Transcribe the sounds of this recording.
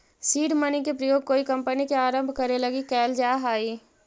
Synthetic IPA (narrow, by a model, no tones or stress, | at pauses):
siːɖmənikepɾɐjoːɡ̚koːikɐ̃mpənikeaːɾə̃mbʱkɐɾelɐɡikɛːld͡ʒaːɦaːiː